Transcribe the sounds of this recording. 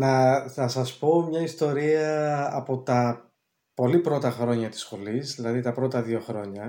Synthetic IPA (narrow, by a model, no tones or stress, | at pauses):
nɐθɐsɐspo̞mɲɐist̪o̞ɾiɐːpo̞t̪ɐ | po̞lipɾo̞t̪ɐxɾo̞ɲɐt̪i̥sxo̞lizðilɐðit̪ɐpɾo̞t̪ɐðio̞xɾo̞ɲɐ